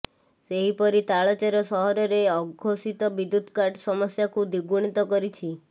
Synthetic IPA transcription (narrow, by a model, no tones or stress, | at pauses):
seɦipɔɾit̪aɭɔt͡ʃaɾɔsɔɦɔɾɔɾeɔɡʱosit̪ɔbid̪ud̪kaɾʈsɔmɔsjakud̪iɡuɽ̃it̪ɔkɔɾit͡ʃʰi